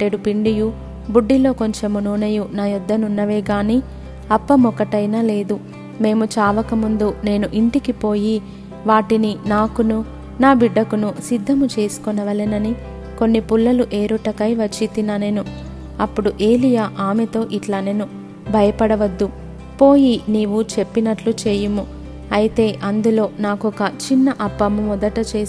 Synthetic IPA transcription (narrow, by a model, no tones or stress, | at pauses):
ʈeɽupiɳɖiju | buɖːilo̞ːko̞ɲt͡ʃe̞munuːnɐjunaːjud̪ːɐnunːɐʋeːɡaːniː | ɐpːɐmɔkɐʈɐjnaːle̞ːd̪u | me̞ːmut͡ʃaːʋɐkɐmund̪une̞ːnuʔiɳʈikipo̞ːji | ʋaːʈininaːkunu | naːbiɖːɐkunusid̪ʱːɐmut͡ʃe̞ːsu̥kɔnɐʋɐlinɐni | ko̞nːipulːɐluʔe̞ːɾuʈɐkɐjʋɐt͡ʃːit̪inɐne̞ːnu | ɐpːuɽuʔe̞ːlijaːʔaːmet̪o̞ːʔiʈlaːne̞ːnu | bʱɐjɐpɐɽɐʋɐd̪ːu | po̞ːjiniːʋut͡ʃe̞pːinɐʈlut͡ʃe̞ːjumu | ɐjit̪e̞ːʔɐnd̪ulo̞ːnaːkɔkɐt͡ʃinːɐʔɐbːɐmumɔd̪ɐʈɐt͡ʃe̞ːs